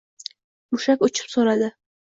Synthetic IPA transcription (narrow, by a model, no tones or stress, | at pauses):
mʊʃakʊt͡ʃʰɪ̥psoɾad̪ɪ